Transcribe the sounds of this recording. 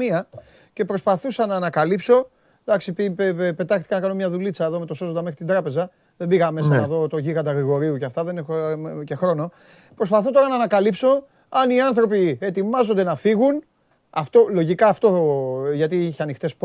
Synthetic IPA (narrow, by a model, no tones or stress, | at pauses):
iɐ | ce̞pɾospɐθusɐnɐːnɐkɐlipso̞ | d̪ɐksipipe̞t̪ɐxt̪i̥kɐnɐkɐno̞mɲɐðulit͡sɐeðo̞met̪o̞so̞zond̪ɐme̞xɾit̪ind̪ɾɐpe̞zɐ | ðe̞mbiɣɐmesɐnɐðo̞t̪o̞ʝiɣɐd̪ɐɣɾiɣo̞ɾiuceɐft̪ɐðenexoce̞xɾo̞no̞ | pɾo̞spɐθo̞t̪o̞ɾɐnɐːnɐkɐlipso̞ | ɐniɐnθɾo̞pie̞t̪imɐzond̪e̞nɐfiɣun | ɐft̪o̞lo̞ʝikɐːft̪o̞oʝɐt̪iiçeɐnixt̪e̞sp